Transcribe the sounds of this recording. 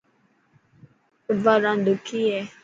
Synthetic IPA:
vaɾan̩dukijɛ

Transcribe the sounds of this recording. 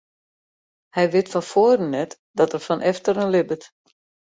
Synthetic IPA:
hɛjʋɪtfɔnfoərənːɛt | dɔtərfɔnʔɛftərənlɪbət

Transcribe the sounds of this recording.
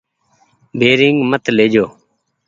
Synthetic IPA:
bʱeːɾɪŋɡmət̪leːd͡ʒoː

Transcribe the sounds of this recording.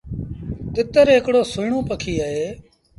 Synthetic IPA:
t̪ɪt̪əɾɦɪkɽoːsʊiɳõːpəkʰiːaːɦeː

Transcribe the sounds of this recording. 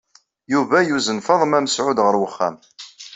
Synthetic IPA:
juvæjuzənfɑðˤəmæməsʕʊd̪ʁəɾwəχːæ̰m

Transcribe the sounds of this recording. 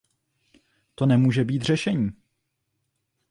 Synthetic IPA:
t̪onɛmuːʒɛbiːt̪r̝ɛʃɛɲiː

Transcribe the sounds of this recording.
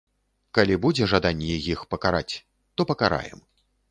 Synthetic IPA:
kalʲibud͡zʲɛʐad̪anʲːɛɛjixpɐkaɾa̰t͡sʲ | t̪ɔpɐkaɾa̰jɛ̰m

